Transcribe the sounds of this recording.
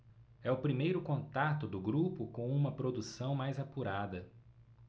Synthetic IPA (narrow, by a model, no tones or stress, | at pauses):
ɛʊpɾimejɾʊkõnt̪at̪ʊd̪ʊɡɾupʊkõw̃ũmɐpɾod̪usɐ̃w̃majzapuɾad̪ɐ